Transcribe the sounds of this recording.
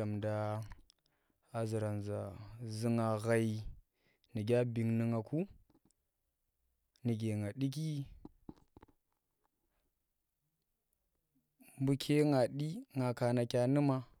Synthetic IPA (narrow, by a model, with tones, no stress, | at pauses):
a˨mda˨ | zi˨ɾa˨nza˨zi˦ŋa˨ɣa˨i˨ | ni˨ɡʲa˦bi˨ŋni˨ŋa˨ku˦ | ni˨ɡʲe˨ŋa˨ɗi˦k̬i˦ | mbu˦kʲʰe˦ŋa˨ɗi˦ŋa˨ka˨na˨kʲa˦ni˦ma˦